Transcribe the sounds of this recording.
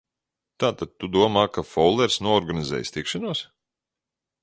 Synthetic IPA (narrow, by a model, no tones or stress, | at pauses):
t̪aːt̪ad̪̚t̪ud̪uɔmaːkafɔwlˠɛɾsnuɔɔɾɡanizɛ̰ːj̰st̪ikʃanuɔs